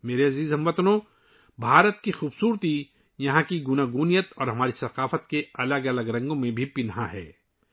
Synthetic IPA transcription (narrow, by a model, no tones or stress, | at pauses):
meːɾeɐziːzɦɐmʋɐt̪nõ | bʱaːɾət̪̚kixuːbsuːɾt̪i | jɐɦãkiɡʊnaːɡuːnijət̪ɔːɾɦɐmaːɾisɐqaːfət̪keɐləɡɐləɡɾɐ̃ŋɡõmẽbʱipɪnɦãɦɛ̰ː